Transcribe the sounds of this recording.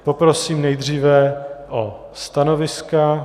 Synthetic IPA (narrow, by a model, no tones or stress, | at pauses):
popɾo̞siːmnɛjd̪r̝iːvɛʔo | st̪anovɪska